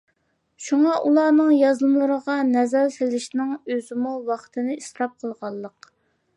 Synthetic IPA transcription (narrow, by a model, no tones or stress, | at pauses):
ʃuŋɑʔulˠɑːnɨŋjɑzlˠmlˠəɾəʁɑnɛzælsɪlɪʃnɪŋøzɪmuwɑχt̪ʰɨnɨisɾɑp̚qʰəlˠʁɑlˠːəq